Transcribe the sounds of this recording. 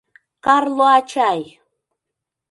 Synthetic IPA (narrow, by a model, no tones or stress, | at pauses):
kɑɾlˠoat͡ʃaj